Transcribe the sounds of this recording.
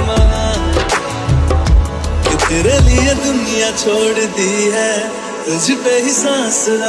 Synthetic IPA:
maː | k̪et̪ʰeːɾeːlied̪ʊnɪjãːt͡ʃʰoːɽd̪iːɦɛː | t̪ʊd͡ʒpeːɦɪsãːs

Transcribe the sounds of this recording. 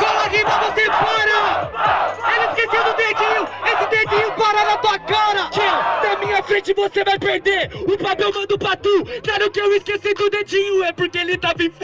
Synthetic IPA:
kɔlaʁĩmɐvosepaɾɐ | elɪiskesewd̪ʊd̪ed͡ʒĩɲʊesɪd̪ed͡ʒĩɲʊ̃paɾanɐt̪uɐkaɾɐkẽd̪ɐmĩɲɐfɾẽt͡ʃɪvosevajpeɾd̪eɾʊpapɛwmɐ̃d̪ʊpɾɐt̪ukaɾʊkɪewɪskesid̪ʊd̪ed͡ʒĩɲʊɛpoɾkeelɪt̪avĩf

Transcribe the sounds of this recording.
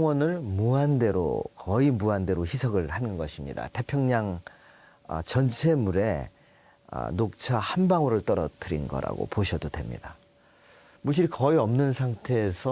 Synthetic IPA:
ŋwʌnɯɭmuande̞ɾo̰kʰʌimuande̞ɾoçisʰʌɡɯɭhanɯnɡʌɕʰimɲḭda̰te̞pʰjʌŋɲaŋ | t͡ɕʌnt͡ɕʰe̞muɾe̞̰ | nok̚t͡ɕʰahanbaŋoɾɯɭt͈ʌɾʌt͈ɯɾḭnɡʌ̰ɾa̰ɡo̰poɕʰʌdodwe̞mɲḭda | muɭɕ͈ʰiɾkʌiʌmnɯnsʰaŋtʰe̞ːsʰʌ

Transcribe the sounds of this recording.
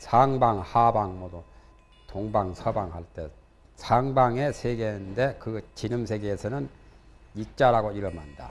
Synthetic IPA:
sʰaŋbaŋhabaŋmʌdo | toŋbaŋsʰʌbaŋhaɭt͈e̞̰ | sʰaŋbaŋe̞sʰeɡende̞kɯt͡ɕinɯmsʰe̞ɡeːsʰʌnɯn | ik̚t͡ɕ͈aɾaɡoiɾʌmanda̰

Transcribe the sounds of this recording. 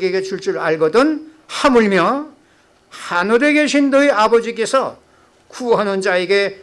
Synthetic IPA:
ɡeɡet͡ɕʰuɭt͡ɕ͈uɾaɭɡʌdɯn | hamuɭmjʌ | hanɯɾeɡe̞ɕʰindɯiabʌd͡ʑik̬͈e̞sʰʌ | kuɦanɯnd͡ʑaiɡe̞

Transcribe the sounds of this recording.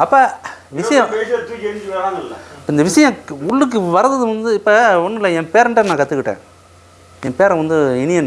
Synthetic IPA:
ɐpːaʋɪsɐjɐ̃peːsɐt̪end͡ʒʋeːɽaŋɐlːɐːɪnd̪ɐʋɪʂɐjɐ̃ʊɭːɯk̬ːɯʋɐɾɐðɐðɯʋɐnd̪ɯɪpːɐɔnːɪlːɐɛmpeːɾɳʈːɐnãːkɐt̪ːɯkːɪʈːḛ̃ː | ɛmpeːɾɐ̃ʋɐnd̪ɯɪnɪjɐnː

